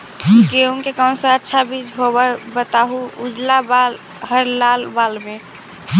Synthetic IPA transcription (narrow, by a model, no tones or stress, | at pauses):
keunkekə̃sə̃ətːʃʰabid͡ʒʱɦobəbət̪aɦuud͡ʒlabal | ɦəɾlalbalme